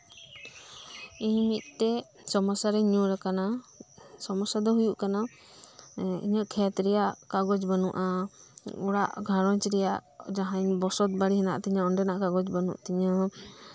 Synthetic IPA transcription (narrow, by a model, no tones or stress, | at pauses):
iɲmit̪̚ˀt̪ɛ | sɔmɔsaɾɛɲuɾakana | sɔmɔsad̪ɔɦujuʔkana | ḭɲəʔkʰɛt̪ɾɛjaʔkaɡɔd͡ʒbanuʔa | uɽaʔɡʱãɾɔɲt͡ʃɾɛjaʔd͡ʒaɦaɲbɔsɔt̪̚baɽiɦɛna̰ʔt̪iɲaɔɳɖɛnaʔkaɡɔd͡ʒbanṵʔt̪iɲə